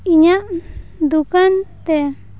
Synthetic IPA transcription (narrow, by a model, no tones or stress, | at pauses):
iɲaʔd̪ukant̪ɛ